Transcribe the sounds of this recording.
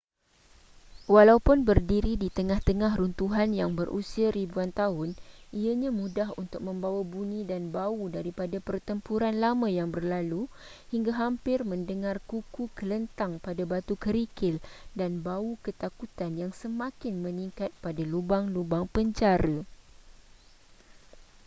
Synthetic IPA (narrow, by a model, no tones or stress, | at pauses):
walaupʊnbərdiɾidit̪əŋãht̪əŋãɦɾunt̪uɦanjaŋbərʔṵsiaɾibuant̪aɦʊniaɲãmũdaɦunt̪ʊk̚mə̃mbawabunĩdanbaudaɾipadapərt̪əmpuɾanlamãjaŋbərlalu | hiŋɡaɦampɪrmə̃ndəŋãrkukukələnt̪aŋpadabat̪ukəɾikɪldanbaukət̪akut̪anjaŋsəmãkɪnmə̃niŋkat̪̚padalubaŋlubaŋpəɲd͡ʒaɾə